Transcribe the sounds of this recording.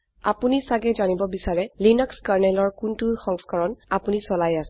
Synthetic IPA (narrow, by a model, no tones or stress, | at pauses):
a̰punisaɡɛzanibɔbisaɹɛlinɔkskaɹnɛlɔɹkuntuxɔŋskɔɹɔnapunisɔlajasɛ